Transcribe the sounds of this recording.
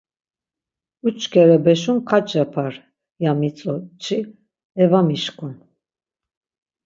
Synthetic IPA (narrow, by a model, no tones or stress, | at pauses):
ut͡ʃʰʼkʰɛɾɛbɛʃunkʰat͡ʃʼɛpʰaɾ | jamit͡sʼɔt͡ʃʰʼi | ɛvamiʃkʰʼun